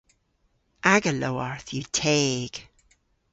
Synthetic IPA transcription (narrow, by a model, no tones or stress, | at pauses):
ʔaɡəloaɹθjətʰeːɡ̥